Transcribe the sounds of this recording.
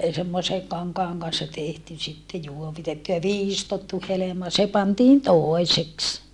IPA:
semːose kɑŋkɑːŋ kɑnsːɑ tehty sitːe juoʋitetːu jɑ ʋiːstotːu helemɑ se pɑntiːn toˑeseks

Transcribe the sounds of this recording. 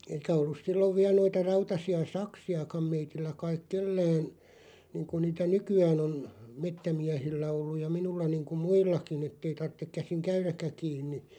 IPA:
eikæ olːus silːoʋ ʋiæl̆ noitɑ rɑutɑsiɑ sɑksiɑkɑm meitilːæ kɑik̆ kelːæːn niːŋku niːtæ nykyæːn on metːæmiæhilːæ olːuj̆ jɑ minulːɑ niːŋku muilːɑkin etːei tɑrtːek kæsiŋ kæyrækːæ kiːnːi

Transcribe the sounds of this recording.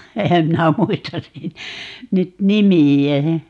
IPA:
ehæm minæ muistɑs sit nyt nimiæ

